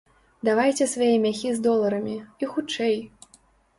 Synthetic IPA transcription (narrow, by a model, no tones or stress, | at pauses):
d̪avajt͡sʲɛsvajɛmʲaxʲizd̪ɔlˠɐɾɐmʲiixut͡ʂɛj